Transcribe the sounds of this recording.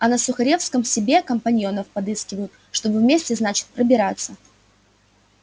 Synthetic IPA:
ɐnəsʊxɐɾʲe̞fskəmsʲɪbʲe̞kəmpɐnʲjo̞nəfpɐd̪ɨskʲɪvəjʊt̪ | ʂt̪o̞bɨvmʲesʲtʲɪznat͡ɕɪ̥t̪̚pɾəbʲɪɾat̪sːə

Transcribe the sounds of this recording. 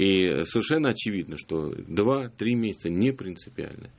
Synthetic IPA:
isəvʲɪrʂɛnːəɐt͡ɕɪvʲid̪nəʂt̪o̞̰d̪vat̪ɾʲimʲesʲɪ̥t̪sənʲɪpɾʲɪnt̪sɨpʲɪa̰lʲnə̰

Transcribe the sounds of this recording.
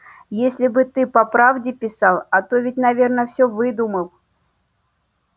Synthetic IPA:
jesʲlʲɪbɨt̪ɨpɐpɾavdʲɪpʲɪsɑlˠɐt̪o̞vʲɪt̚ʲnɐvʲe̞rnəfsʲɵvɨd̪uməlˠ

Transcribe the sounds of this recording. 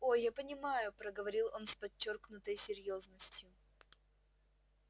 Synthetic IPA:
o̞japənʲɪmajʊpɾəɡəvɐɾʲilˠo̞nspɐt͡ɕːorknʊt̪əjsʲɪɾʲjo̞znəsʲtʲjʊ

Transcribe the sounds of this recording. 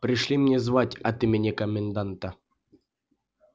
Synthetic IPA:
pɾʲɪʂlʲimnʲezvatʲɐt̪imʲenʲekəmʲɪnd̪ant̪ə

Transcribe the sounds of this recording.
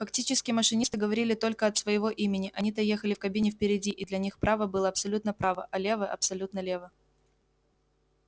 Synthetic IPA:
fɐktʲit͡ɕɪskʲɪməʂɨnʲist̪ɨɡəvɐɾʲilʲɪt̪o̞lʲkəɐt̪svəjɪvo̞ʔimʲɪnʲɪʔɐnʲit̪ɐjexəlʲɪfkɐbʲinʲɪfpʲɪɾʲɪdʲiʔɪd̪lʲɐnʲixpɾʔavəbɨlˠəɐpsɐlʲut̪nəpɾavə̰ʔɐlʲe̞vəʔɐ̰psɐlʲut̪nəlʲe̞və

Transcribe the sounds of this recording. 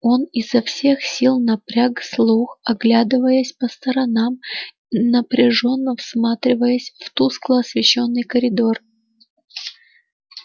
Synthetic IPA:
o̞nɪzːɐfsʲe̞xsʲilˠnɐpɾʲakslˠuxɐɡlʲad̪ɨvəjəsʲpəst̪əɾɐnam | nəpɾʲɪʐo̞nːəfsmat̪ɾʲɪvəjəsʲft̪usklˠəɐsvʲɪɕːo̞nːɨjkəɾʲɪd̪o̞r

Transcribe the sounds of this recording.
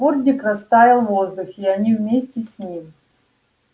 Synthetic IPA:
urdʲɪkrɐst̪avʲɪlˠvozd̪ʊxʲɪɐnʲivmʲesʲtʲɪsʲnʲimʲ

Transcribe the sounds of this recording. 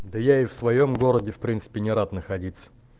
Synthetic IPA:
d̪əjaɪfsvɐjo̞mɡo̞ɾədʲɪfpɾʲint̪sɨ̥pʲɪnʲɪɾat̪nəxɐdʲit̪sə̥

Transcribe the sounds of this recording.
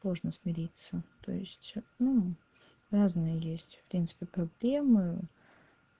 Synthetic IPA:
lˠoʐnəsmʲɪɾʲit̪sət̪o̞̰ɪsʲtʲnu | raznɨjəjesʲtʲfpɾʲint̪sɨ̥pʲɪpɾɐblʲemɨ

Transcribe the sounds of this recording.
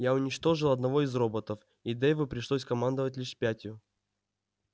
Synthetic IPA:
jaʊnʲɪt͡ɕt̪o̞ʐɨlˠɐd̪nɐvo̞izro̞bət̪əf | id̪ɛjvɨpɾʲɪʂlˠosʲkɐmand̪əvətʲlʲiʂpʲætʲjʊ

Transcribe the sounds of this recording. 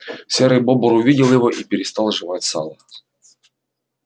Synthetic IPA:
sʲɛɾɨjbobʊɾʊvʲidʲɪlˠjɪvoʔipʲɪɾʲɪst̪ɑlˠʐɨvatʲsa̰lˠə

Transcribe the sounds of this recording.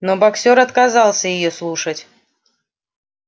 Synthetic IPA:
nobaksʲoɾɐt̪kazɑlˠsʲəjɪjoslˠuʂətʲ

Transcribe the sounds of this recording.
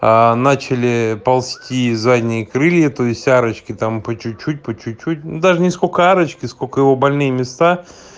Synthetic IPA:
anat͡ɕɪlʲɪpɐlˠsʲtʲizadʲnʲɪjəkɾɨlʲjət̪oɪsʲtʲaɾət͡ɕkʲɪt̪ampət͡ɕʊt̚ʲt͡ɕːut̚ʲpət͡ɕt͡ɕːʊt̚ʲt͡ɕːutʲd̪aʐɨnʲɪskolʲkəaɾət͡ɕkʲɪskolʲkəjɪvobɐlʲnɨjəmʲɪst̪a

